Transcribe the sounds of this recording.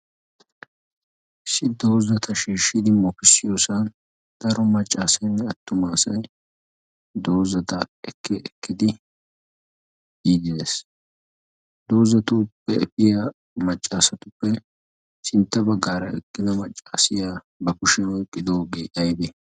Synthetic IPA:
ɪsɪd̪o̞ːzɐt̪ʰɐʃiːʃːɪd̪ɪmɔpɪsːɪjoːsɐn | d̪̥ɐɾɔmɐt͡ʃʼːaːsɐjnːɛɐt̪ːʊmaːsɐj | d̪o̞ːzɐt̪ɐɛkːɛɛkːɪd̪ɪ | iːd̪ɪd̪es | d̪o̞ːzɐt̪ʊpːɛɛ̰pʼːɪja | mɐt͡ʃʼːaːsɐt̪ʊpːɛ | sɪnt̪ːɐbɐɡːaːɾɐɛkːɪd̪ɐmɐt͡ʃʼːaːsɪjaː | bɐkʊʃɛɔjkʼːɪd̪o̞ːɡeːʔɐjbe

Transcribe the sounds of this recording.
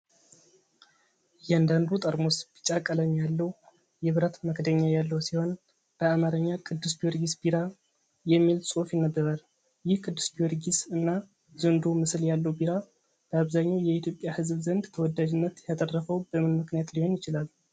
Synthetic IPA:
jɛand̪and̪ut̪ʼəɾmo̞sbit͡ʃʼakʼːələɲjalːəw | jɛβɨɾət̪məkd̪əɲːajalːəwsiho̞n | b̥əamaɾəɲːakʰʼɨd̪ːɨsbijoɾɡisbiɾa | jɛmːilsʼofjɪnːəbːəɾal | jɪhkʰʼɨd̪ːɨsbijoɾɡisɨnːa | zɨnd̪omɨsljalːəwbiɾa | b̥əaβzaɲːawjɛit̪ʰjopʼjahɨzbzənd̪t̪ʰəwɔd̪ːad͡ʒɪnːət̪jat̪ʼərːəfəwbəmɨnmɨknijat̪liho̞njɪt͡ʃɪlal

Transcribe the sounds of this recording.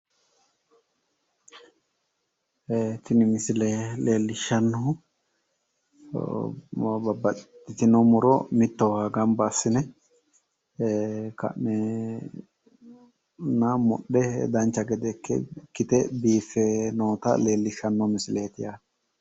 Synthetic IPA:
t̪ɪnɪmɪsɪlɛle̞ːlːɪʃːɐnːɔ | bɐbɐt̪ːɪt̪ɪnɔmʊɾɔ̰mɪt̪ːɔwaːɡɐmbɐsːɪnɛ | kɐ̰nːɛ | nɐmɔ̰ɗːɛd̪ɐnt͡ʃːɐɡɛd̪ɛkːɛ̰kːɪt̪ɛbiːfɛnoːt̪ɐ̰leːlːɪʃːɐnːɔmɪsɪleːt̪ɪjaː

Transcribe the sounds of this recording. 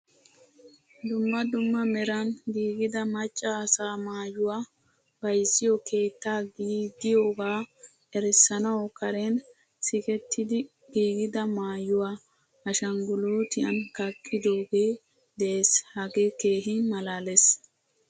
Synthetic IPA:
d̪ʊmːɐd̪ʊmːɐmɛɾɐnɡiːɡɪd̪ɐmɐt͡ʃʼːaːsaːmaːjʊwaː | b̥ɐjsːɪjokʰe̞ːt̪ːaːɡiːd̪ɪjoːɡaː | ɛɾɛsːɐnɐwkɐɾɛn | sɪkɛt̪ːɪd̪ɪ | ɡiːɡɪd̪ɐmaːjʊwaː | ɐʃɐŋɡʊloːt̪ɪɐnkɐkʼːɪd̪o̞ːɡeː | d̪ɛʔeshɐɡekeːɦɪmɐlaːles

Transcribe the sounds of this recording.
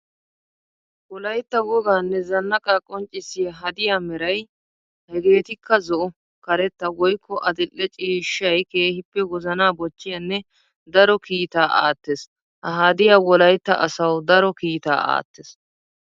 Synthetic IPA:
wɔlɐjt̪ːɐwɔɡaːnːɛzɐnːɐkʼakʼɔnt͡ʃʼːɪsɪjɐɦɐd̪ɪjaːmɛɾɐj | hɛɡe̞ːt̪ɪkːɐzɔʔɔ | kɐɾɛt̪ːɐwɔjkʰːɔʔɐd̪ɪlːɛt͡ʃʼiːʃːɐjke̞ːhɪpːɛwɔzɐnaːbɔt͡ʃːɪjɐnːɛ | d̪ɐɾɔkiːt̪aːʔa̰ːt̪ːes | hɐɦad̪ɪjaːwɔlɐjt̪ːɐ̰ʔɐsɐwd̪ɐɾɔkiːt̪a̰ːa̰ːt̪ːes

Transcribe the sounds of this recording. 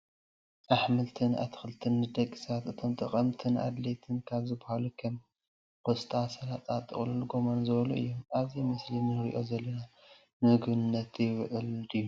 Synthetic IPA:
ʔaħmɨlt̪ʰɨna̰t̪ʰɨ̥xɨlt̪ʰɨnːɨd̪ɐkʼːisat̪ɨt̪ʰo̞mt̪ʰʼɐχʼɐmt̪ʰɨnʔa̰d̪let̪ʰɨnkʰaβzɨbahalukʰɐm | kost̪ʰʼasɐlat̪ʼat̪ʼɨ̰χʼlulɡo̞manzɨβɐlṵʔɨ̰jːomʔaβzimɨslinɨɾḭʔo̞zɐlːɐna | mɨɨɡbɨnnːɐt̪jɪβʕɨldɨju

